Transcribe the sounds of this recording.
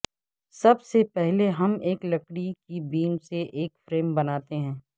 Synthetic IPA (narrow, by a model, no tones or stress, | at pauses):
sɐbsepɛɦleɦɐmeːklɐkɽikibiːmseʔeːkfɾeːmbɐnaːt̪eɦɛ̃ː